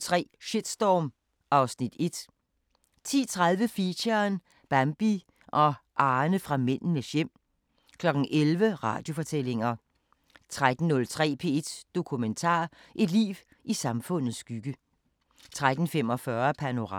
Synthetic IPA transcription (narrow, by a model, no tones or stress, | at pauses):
t͡sʰʁɛ̰ːɕid̥sd̥ɒːm | ʔɑ̈ʊsnid̥e̝d̥ | t͡sʰḭːt͡sʰʁaðˠʋəfiɕɐn | b̥æmb̥i | ʔɒ̽ʔɑ̈ːnəfʁɑ̈men̰n̩əɕem̰ | kʰlɒ̽ɡ̥n̩ʔelʋəʁɑ̈ːd̥jo̝fɒ̽t͡sʰel̰e̝ŋɐ | t͡sʰʁad̥n̩nɔ̽lt͡sʰʁɛ̰ːpʰe̝̰ːe̝d̥d̥o̝kʰument͡sʰɑ̰̈ː | ʔe̝d̥lḭːʋ | ʔisɑ̈mfɔ̽n̰ð̩ˠsːɡ̥yɡ̥ə | t͡sʰʁad̥n̩fem̰ɒ̽fɶɐpʰæno̝ʁɑ̰